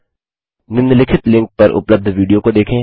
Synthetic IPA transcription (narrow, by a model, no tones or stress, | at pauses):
nɪ̃nd̪lɪkʰɪt̪lɪ̃ŋk̚pɐɾʊ̰pləb̚d̪ʱʋiːɖijokod̪eːkʰẽ